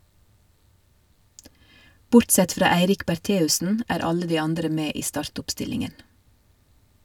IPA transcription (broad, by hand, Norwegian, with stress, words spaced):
ˈbʊɾtˌsɛt ˈfɾɑː ˈæɪɾɪk bæˈʈeːʉsən ˈæːɾ ˈɑlə ˈdiː ˈɑndɾə ˈmeː ˈiː ˈstɑːɾtʊpˌstɪlɪŋən